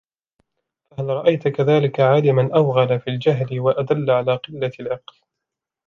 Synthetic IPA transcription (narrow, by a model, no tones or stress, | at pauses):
fahalɾˤɑʔajt̪kaðaːlɪkaʕaːlɪmanʔawɣalafild͡ʒaɦlɪwaʔad̪alːaʕalaːqɨlːalʔɑql